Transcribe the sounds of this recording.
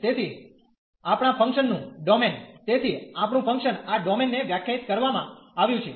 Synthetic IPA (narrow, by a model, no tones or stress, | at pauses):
t̪et̪ʰi | apɽ̃afʰə̃ŋkʃənːũɖɔment̪et̪ʰiapɳũpʰə̃ŋkʃənaɖɔmenːeʋjakʰjait̪kəɾʋamãaʋjũt͡ʃʰe